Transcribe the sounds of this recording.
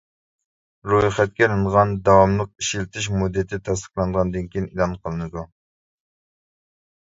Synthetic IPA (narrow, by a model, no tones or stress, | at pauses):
ɾujχɛt̪̚kʲɛɾɨɴʁɑnd̪ɑwɑmlˠəq̚iʃilɪt̪ʰɪʃ̬mud̪ːɨt̪ʰɪt̪ʰɛs̬t̪ə̥qlˠɑnd̪əʁɑnd̪ɨnkʲʰijinilˠɑnqʰəlˠɨnɨd̪u